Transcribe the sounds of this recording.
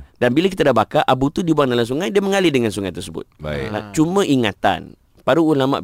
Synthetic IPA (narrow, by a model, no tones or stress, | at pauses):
danbilak̬it̪adabakaʔabut̪udibuaŋdalams̬uŋajdiaməŋalɪdəŋans̬uŋajt̪ərsəbʊ̰t̪̚bala̰t͡ʃumãʔiŋat̪a̰n | paɾuːlama̰ʔ